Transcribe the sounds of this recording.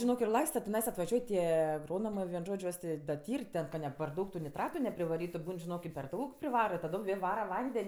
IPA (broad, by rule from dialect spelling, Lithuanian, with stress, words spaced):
ʒʲɪˈnoːk ɪr ˈlˠɐɪstɐ tʲɪˈnɐɪs ɐtʋɐˈʒʲuɔj ˈtʲiɛ ɐɡˈroːnoːmɜ ʋʲiɛn ˈʒoːt͡ʃʲ ˈjuɔs ˈtʲeː dɐ ˈtʲiːrʲ ˈtʲɛn kɐ nʲɛ pɐr ˈdɐʊk tʊ nʲɪˈtrɑːtʊ nʲɛpʲrʲɪʋɐˈrʲiːtʊ ˈbuːn ʒʲɪˈnoːk ɪ pʲɛr ˈdɐʊk pʲrʲɪʋɐrɐ ɪ tɐˈdoːm ˈʋʲeːlˠ ˈʋɑːrɐ ˈʋɐnʲdʲɛnʲ